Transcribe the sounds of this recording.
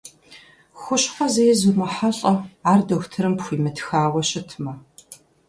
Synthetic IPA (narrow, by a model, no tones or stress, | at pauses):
xʷʊɕχʷɐzɐjɛzumɐħaɬʼɐaːrdɐxʷtʰɨɾɨmpxʷiːmɨtxaːwɐɕɪtʰmɐ